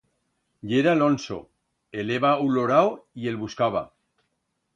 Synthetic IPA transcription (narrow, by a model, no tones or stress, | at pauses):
ʎeɾalonso̰ | eleβauloɾawielβuskaβ̞a̰